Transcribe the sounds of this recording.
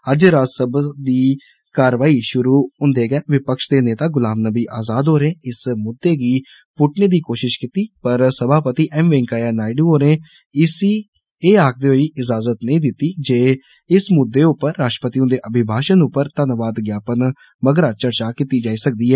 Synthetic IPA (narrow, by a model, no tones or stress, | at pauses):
əd͡ʒɾaːsəbd̪iː | kaːɾʋaːiːʃʊɾuːɦʊ̃nd̪eːɡɛːʋɪpəkʃd̪eːneːt̪aːɡʊlaːmnəbiːʔaːzaːd̪ɦoːɾẽːɪsmʊd̪ːeːɡiː | pʊʈneːd̪iːkoːʃɪʃkɪt̪iːpəɾsəbʱaːpət̪iːʔɛːmʋẽːŋkaːjaːnaːɪɖũːɦoːɾẽː | ɪsiː | eːaːk̚ʰd̪eːɦoiːʔɪd͡ʒaːzət̪nəĩːd̪ɪt̪ːiːd͡ʒeː | ɪsmʊd̪ːeːʊpːəɾːaːʃʈə̥pət̪iːʊ̃d̪eːʔəbʱɪbʱaːʃənʊpːəɾt̪ənʋaːd̪ɡjaːpən | məɡɾaːt͡ʃəɾt͡ʃaːkit̪iːd͡ʒaːiːsək̚d̪iːɦɛː